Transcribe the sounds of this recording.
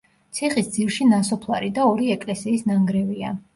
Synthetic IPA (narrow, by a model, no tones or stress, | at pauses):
t̪sʰiχisd̪zilˠʃinasɔpʰlˠaɾid̪aɔɾiɛkʼlɛsiːsnaŋɡɾɛvia̰